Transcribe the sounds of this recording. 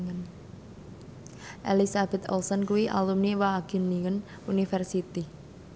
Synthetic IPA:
ən | ʔelisab̥ɛt̪̚ɔlsɔnkuwiʔa̰lumniwaːɡ̥i̤nːiŋən | unifɛrsit̪i

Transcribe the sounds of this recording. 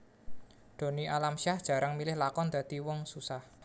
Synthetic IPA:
d̪̥o̤niʔalamʃahd̥ʒ̥ä̤ɾaŋmilɪhlakɔnd̪̥ä̤d̪̥iwɔŋsusah

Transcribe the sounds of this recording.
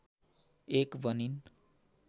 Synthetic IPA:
ekbʌnin

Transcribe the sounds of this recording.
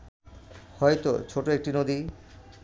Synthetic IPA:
hɔjt̪o̰t͡ɕʰoʈoek̚ʈinod̪i

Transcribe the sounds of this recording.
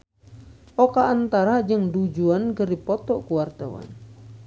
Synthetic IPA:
ʔɔkaːnt̪aɾad͡ʒɨŋdud͡ʒuankɨrdipɔt̪ɔʔkuward̪a̰wa̰n

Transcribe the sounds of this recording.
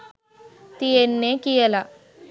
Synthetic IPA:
t̪ijenːeːkijɐlɐ

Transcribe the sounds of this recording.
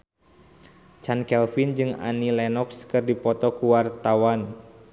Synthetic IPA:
t͡ʃankɛlfind͡ʒɨŋa̰nilɛnɔkskɨrdipɔt̪ɔkuwart̪awan

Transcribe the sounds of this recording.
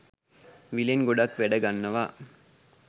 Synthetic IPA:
ʋileŋɡoɖakʋæɖɐɡanːɐʋaː

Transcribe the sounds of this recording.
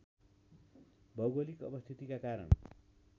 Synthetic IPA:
bʱʌɡʌlikʌ̰pʌst̪ʰit̪ikakaɾʌ̰n

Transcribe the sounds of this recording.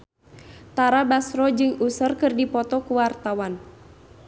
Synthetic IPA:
t̪aɾabasrɔd͡ʒɨŋusərkɨrdipɔt̪ɔkuwart̪awan

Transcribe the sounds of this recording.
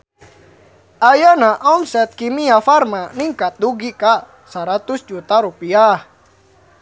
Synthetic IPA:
ʔajanaʔɔmsɛt̪̚kimiafarmaniŋkat̪̚duɡika | saɾat̪usd͡ʒut̪aɾupiah

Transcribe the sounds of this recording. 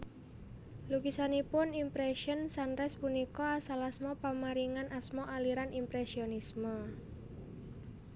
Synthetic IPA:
lukisanipʊnimpɾɛʃɔnsanɾɛspunikɔasalasmɔpamaɾiŋanʔasmɔʔaliɾanimpɾɛsionismə

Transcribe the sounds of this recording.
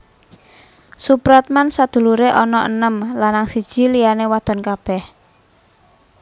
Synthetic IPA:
supɾat̪̚mansad̪̥ṳluɾeʔɔnɔʔənəmlanːaŋsid̥ʒ̥i̤lijanewad̪̥ɔ̤nkab̥ɛh

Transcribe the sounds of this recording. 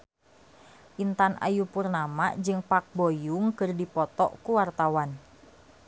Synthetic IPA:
ʔint̪anʔa̰jupurnama̰d͡ʒɨŋpak̚bojuŋkɨrdipɔt̪ɔ̰ʔkuwart̪awan

